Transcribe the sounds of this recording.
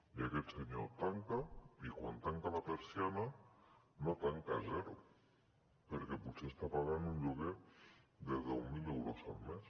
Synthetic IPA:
iaket̪seɲo̰t̪aŋkaikwa̰nt̪aŋkalapeɾsjana | not̪aŋkazeɾu | peɾkepusest̪apaɣand̪uɲʎuɣeðeðewmilewɾosa̰lmes

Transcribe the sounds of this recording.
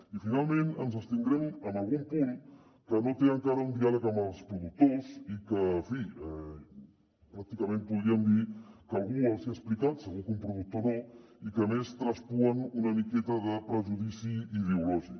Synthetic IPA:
ifinalˠmenənzəst̪ind̪ɾɛmənəlˠɣumpun | kənot̪eəŋkaɾəund̪ialəkəmbəlˠspɾuðuk̚t̪ozikəfiɛ | pɾak̚t̪ikəmẽnpuðɾiəmd̪ikəlˠɣuəlˠseəsplikat̪səɣukumpɾuðuk̚t̪onoikəmest̪ɾəspuənunəmikɛt̪əðəpɾəʒuðisiːðeulɔʒik

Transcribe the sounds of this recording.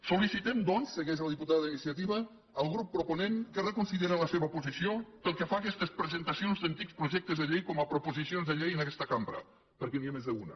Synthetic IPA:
sulisit̪ɛmd̪ɔnsːəɣɛʒəlˠd̪iput̪aððinisiət̪iβəː | lˠɣɾupːɾupunenkərəkunsileɾələseβəpuzisiopəlˠkəfaːkɛst̪əspɾəzənt̪əsionzd̪ənt̪ikspɾuʒɛk̚t̪əzðəʎejkɔməpɾupuzisionzðəʎejənəkɛst̪əkampɾə̰ | pəɾkɛniamezðəunə̰

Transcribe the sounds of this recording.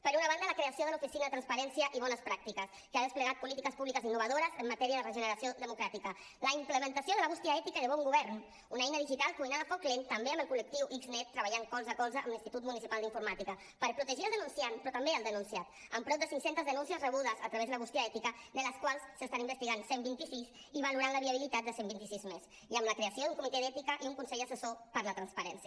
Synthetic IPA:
pəɾunəβand̪ələkɾeəsioðəlufisinəðət̪ɾanspəɾɛnsiəʔiβɔnəspɾak̚t̪ikəs | kəaðəspləɣat̪̚pulit̪ikəspuβlikəzinːuβ̞əðoɾəzəmːat̪ɛɾiəðərəʒənəɾəsijoðəmukɾat̪ikə | ləimpləmənt̪əsijoðələβust̪iaɛt̪ikəðəβ̞ɔŋɡuβɛɾn | unɛjnəðiʒit̪alˠkuijnaðəfoŋklint̪əmbeəmbəlˠkulək̚t̪iwʔikznɛt̪ːɾəβaʎaŋkɔlˠzəkɔlzəʔəmlinst̪it̪ut̪munisipalˠd̪iɱfuɾmat̪ikə | pəɾpɾut̪əʒiəlˠd̪ənunsianpɾɔt̪ambeəlˠd̪ənunsiat̪əmpɾɔd̪əsiŋksent̪əzðənũnsiəzrəβ̞uðəzət̪ɾəβezðələɣust̪iaɛt̪ikəd̪ələskwalˠsːəst̪animbəst̪iɣansembint̪isiz | iβaluɾanləβiəβ̞ilit̪at̪̚d̪əsembint̪isizmez | iəmləkɾeəsioðuŋkumit̪eðɛt̪ikəʔiuŋkunsɛʎd̪əsəsopəɾlət̪ɾanspəɾɛnsiə

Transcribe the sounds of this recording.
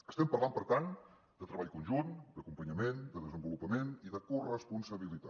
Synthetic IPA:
ə̥st̪ɛmpərlampəɾt̪an | d̪ət̪ɾəβaʎkunʒund̪əkumpəɲəmend̪əðəzəmbulupəmeniðəkurəspunsəβ̞ilit̪a

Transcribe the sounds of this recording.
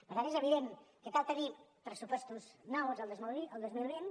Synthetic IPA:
pəɾt̪anezəβiðenkət̪alˠt̪ənipɾəsupɔst̪uznawzəlˠd̪əzmuiəlˠd̪əzmuðɾen

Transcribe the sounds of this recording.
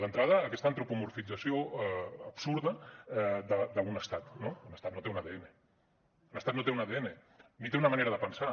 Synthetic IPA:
d̪ənt̪ɾaðəːkɛst̪əːnt̪ɾupumuɾfid͡zəsioəpsuɾðə | d̪əd̪əunəst̪at̪nounəst̪at̪not̪eunəðeene | unəst̪at̪not̪eunəðeene | mit̪eunəmɐneɾəðəpənsa

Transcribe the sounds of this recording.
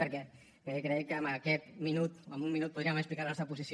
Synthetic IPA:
pəɾkɛ | kekɾeekəːmbəkɛt̪̚minut̪əmbumːinut̪̚pːuðɾiəməksplikaɾlnɔst̪ɾəp̬uzis

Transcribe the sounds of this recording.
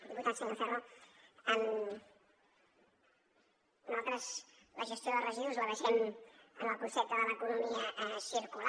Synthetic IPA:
d̪iput̪atzðələfɛraən | nalˠt̪ɾəz | ləʒəst̪joðərəʒiuzləβəʃɛmənəkusɛp̚t̪əðələːkunumiəʔsiɾkula

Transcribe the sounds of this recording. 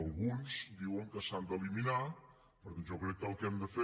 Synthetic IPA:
lˠɣunzd̪iwəŋkəsand̪əlimina | pəɾt̪nʒokɾɛk̚t̪əlˠkɛmd̪əfe

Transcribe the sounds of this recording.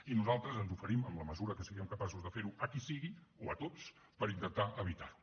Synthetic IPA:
inuzalˠt̪ɾəzənzufəɾiməmləməzuɾəkəsəɣiəmkəpasuzðəfeɾuʔəkisiɣioət̪ot͡s | pəɾint̪ənt̪aʔəβ̞it̪aɾu

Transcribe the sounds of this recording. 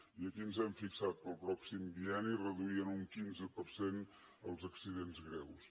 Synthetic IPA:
iəkiənzɛmfiksat̪̚pəlˠpɾɔksimbiɛnirəðuiənuŋkinzəpəɾsen | əlˠzəksiðenzɣɾɛws

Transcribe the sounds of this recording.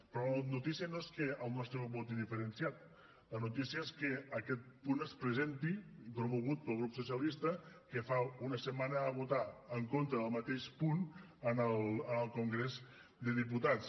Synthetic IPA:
pɾɔlənut̪isiənoeskəəlˠnɔst̪ɾəβɔt̪iðifəɾənsjat̪ | lənut̪isiəeskəəkɛt̪̚punəspɾəzent̪ipɾumuɣ̞ut̪̚pəlˠɣɾupsusiəlist̪əkəfaunəsəmanəːβut̪aəŋkont̪ɾəːlˠmət̪eʃpun | ənəlˠənəlˠkuŋɡɾezd̪əðip̬ut̪at̪t͡s

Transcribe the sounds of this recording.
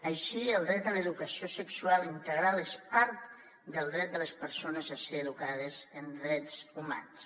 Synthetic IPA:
əʃiəlˠd̪ɾɛt̪ələðukəsiosəksualˠint̪əɣɾaləspaɾt̪ | d̪əlˠd̪ɾɛt̪̚d̪ələspəɾsonəzaseːðukað̞əzənd̪ɾɛtzuma̰ns

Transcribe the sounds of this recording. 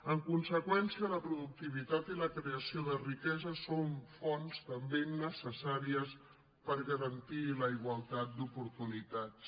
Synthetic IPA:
əŋkunsəkwɛnsiələpɾuðuk̚t̪iβ̞it̪at̪iləkɾeəsioðərikɛzəsoɱfɔnst̪əmbenəsəsaɾiəs | pəɾɣəɾənt̪iləiɣwəlˠt̪at̪̚d̪upuɾt̪unit̪at̪s

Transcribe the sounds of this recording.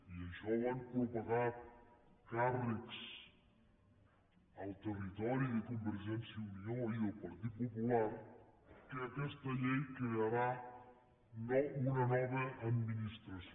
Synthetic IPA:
iəʃɔaŋkupoɣat̪̚karəks | ɐlˠt̪ərit̪ɔɾiðəkumbəɾʒɛnsjəumiɲoialpɐɾt̪it̪̚pupulaɾkeɐkɛst̪ɐʎɛjkejɐɾa | nounɐnɔβəʔːd̪minist̪ɾɐs

